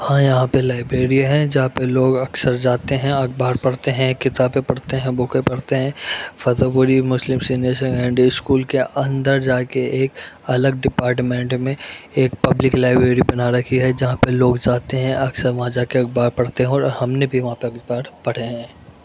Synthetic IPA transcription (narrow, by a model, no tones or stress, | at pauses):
hãjɐɦãpelaːɪbɾeːɾijaɦɛ̃d͡ʒɐɦãpeloːɡɐksəɾd͡ʒaːt̪eɦɛ̃ɐɡ̚baːɾpɐɽ̤t̪eɦɛ̃kɪt̪aːbpepɐɽt̪eɦɛ̃bʊkepɐɽt̪eɦɛ̃fɐt̪opʊɾimʊslɪmsinesẽɡɛ̃ːɳɖiɪskuːlkeʔɐ̃nd̪əɾd͡ʒaːkeʔeːkɐləɡɖɪpaːɾʈ̬mẽːɳʈmẽeːk̚pɐblɪklaːɪbɾeːɾibɐnaɾɐkʰiɦɛd͡ʒɐɦãpeloːɡd͡ʒaːt̪eɦɛ̃ʔɐksəɾʋɐɦãd͡ʒaːkeɐɡ̚baːɾpɐɽ̤t̪eɦɛ̃ɔɾɔ̰ːɾhɐmnebʱiʋɐɦãpeɐɡbaːɾpɐɽ̤eɦɛ̃ː